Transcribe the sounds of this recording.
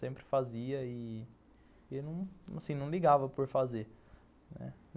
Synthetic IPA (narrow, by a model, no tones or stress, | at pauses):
sẽmpɾɪ̥faziɐi | enɐ̃w̃asĩnɐ̃w̃liɡavɐpoɾfaze | nɛ̰